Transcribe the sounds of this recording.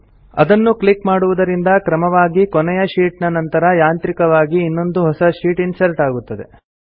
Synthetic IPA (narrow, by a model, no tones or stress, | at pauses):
ɐ̰d̪ɐnːuklikmaːɽuʋud̪ɐɾind̪ɐkɾɐmɐʋaːɡikɔnɛjɐʃiːʈnɐnɐnt̪ɐɾɐjaːnt̪ɾikɐʋaːɡiːnːo̞nd̪uɦɔsɐʃiːʈinsɐɾʈaːɡut̪ːɐd̪e̞